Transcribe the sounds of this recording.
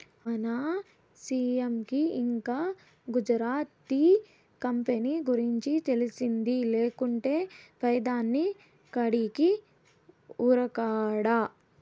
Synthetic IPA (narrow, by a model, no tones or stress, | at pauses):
ɐnaː | siːemkiiŋkaː | ɡud͡ʒɾaːt̪iː | kɐmpeniːɡuɾiɲt͡ʃit̪elisind̪ileːkuɳʈe̞ːpɐjɐd̪aːnːi | kɐɽiki | uːɾɐkaːɽa